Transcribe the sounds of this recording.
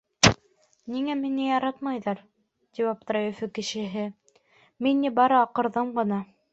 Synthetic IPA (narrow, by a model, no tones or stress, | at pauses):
niŋæmɘ̆nɘjɑɾɑt̪mɑjðɑɾ | t̪ipɑp̚t̪ɾɑufɘkɘ̆ʃɘ̆ɦɘ | minːibɑɾɤɑqɤ̆ɾðɤmɢɤ̆nɑ